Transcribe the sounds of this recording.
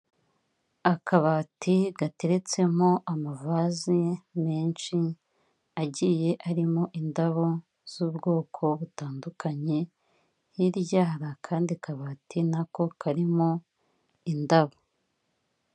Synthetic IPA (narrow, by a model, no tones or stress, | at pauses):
akʰaβaːtʰiɡate̞ɾe̞t͡se̞mo̞ʔamavazime̞ːnʃi | aɟije̞ʔaɾimo̞ʔindaβo̞ | z̥uːbɡo̞ːkʰo̞βutaːndukʰaɲe̞ | jiɾɟaːɾakʰaːndikaβaːtʰinako̞kaɾimo̞ | indaβo